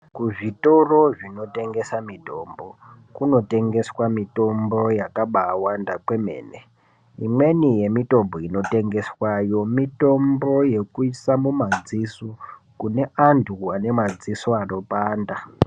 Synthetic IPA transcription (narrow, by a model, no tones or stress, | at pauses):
kuʐitoroʐino̞te̞ŋɡe̞samito̞ːmbo̞ | kuno̞te̞ŋɡe̞swamito̞mbo̞jakaɓaːwandakwe̞me̞̰ːne | imwe̞nije̞mito̞mboino̞te̞ŋɡe̞swajo̞mito̞mbo̞je̞kuisamumad͡zisu | kune̞antʰuane̞mad͡zisoaro̞paːnda